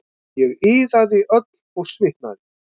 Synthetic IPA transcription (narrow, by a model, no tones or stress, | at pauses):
jɛɣiːðaðɪʔœt̪lɔɣsvɪht̪na̰ðɪ